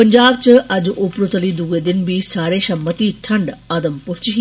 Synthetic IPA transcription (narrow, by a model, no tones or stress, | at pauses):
əɲd͡ʒaːb̚t͡ʃəʔɐd͡ʒʊpɾot̪əlid̪uɡed̪ɪnbʱiːsaːɾeːʃɐmət̪iʈʰɐɳɖaːd̪əmpʊɾt͡ʃɦ